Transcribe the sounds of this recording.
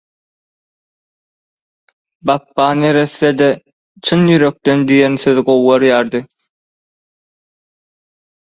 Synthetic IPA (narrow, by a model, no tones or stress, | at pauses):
bɑpːɑːnje̞ɾe̞θːed̪e | t͡ʃʰɯnjyɾø̞k̚t̪end̪ijenθøðɡo̞wːɑɾjɑːɾd̪ɯ